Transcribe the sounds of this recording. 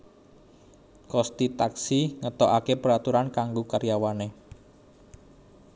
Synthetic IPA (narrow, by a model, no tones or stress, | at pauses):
kɔst̪it̪aksiŋət̪ɔʔakepəɾat̪uɾankaŋɡokaɾjawane